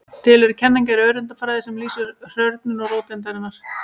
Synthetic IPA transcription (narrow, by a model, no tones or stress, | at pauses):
t̪ʰɪlɛɾʏcʰɛnːaɲcaɾœːɥɾɪnt̪afɾaðɪsɛmliːsʏɾr̥œɾt̪nʏnɔɣroːwt̪ɪnt̪aɾɪnːaɾ̥